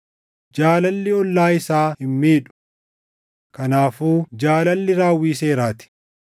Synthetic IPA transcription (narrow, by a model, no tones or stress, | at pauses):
d͡ʒaːlɐlːɪɔlːaːɪsaːhɪmːiːᶑʊ̥ | kɐnaːfuːd͡ʒaːlɐlːɪɾaːwːiːs̬e̞ːɾaːt̪ɪ̥